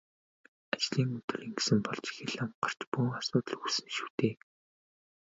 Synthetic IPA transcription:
at͡ɕɮiːŋɵt̪ɵ̆riŋɡe̥sɘ̆mpɔɮt͡ɕi̥xĕɮamɢar̥t͡ɕpuŋasʊːt̪ə̆ɮusɘ̆nʃu̥ːt̪eː

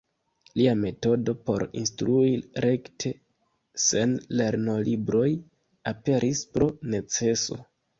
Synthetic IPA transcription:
liame̞to̞do̞po̞̰ɾḭnstɾuiɾe̞ktʰe̞ | se̞nle̞ɾno̞libɾo̞j | ape̞ɾʔispɾo̞ne̞t͡se̞so̞̰

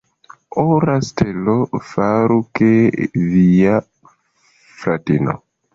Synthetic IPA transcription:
oɾastelofaɾukevia | fɾatino̰

